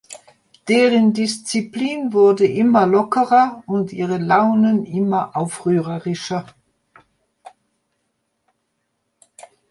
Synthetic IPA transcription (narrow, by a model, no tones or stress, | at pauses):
d̥eːʁəndɪst͡sipliːnvʊɐdəʔɪmɐlɔkəʁɐʊntʔiːʁəlaʊnənʔɪmɐʔaʊfʁyːʁəʁɪʃɐ